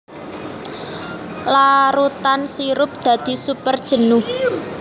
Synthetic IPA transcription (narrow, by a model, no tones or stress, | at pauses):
laɾut̪ansiɾʊp̚d̪̥a̤d̪̥i̤supərd̥ʒ̥ə̤nʊh